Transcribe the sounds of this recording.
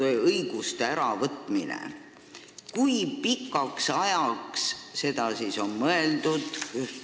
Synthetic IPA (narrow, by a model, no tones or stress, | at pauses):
eɤjɡ̥ust̪eæɾɑvɤt̪ˑminḛ | kujpikːˑɑksɑjɑksse̞d̪ɑsiso̞nmɤe̞ld̪ud̪̥